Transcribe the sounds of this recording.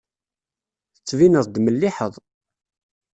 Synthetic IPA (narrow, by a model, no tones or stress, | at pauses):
θət͡sːvinəðˤd̪məlːiħəðˤ